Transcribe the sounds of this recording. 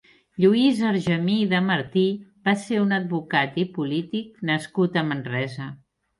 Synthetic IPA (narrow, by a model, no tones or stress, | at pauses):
ʎuizəɾʒəmiðəməɾt̪ibaseunəd̪̚βukat̪ipulit̪ik̚nəskut̪əmənrɛzə